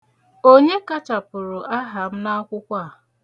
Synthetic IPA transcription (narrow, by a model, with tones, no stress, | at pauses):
o˦ɲe˦ka˦t͡ʃa˨pʊ˨ɾʊ˨ʔa˦ɦa˨m̩˦na˦kʷʊ˦kʷa˦˨